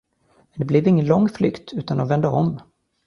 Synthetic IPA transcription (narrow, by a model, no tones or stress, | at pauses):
mɛnd̪ɛblɪvɪŋːənlɔŋːflʏkt̪ʰʉ̟ːt̪and̪ɔnvɛnd̪əɔm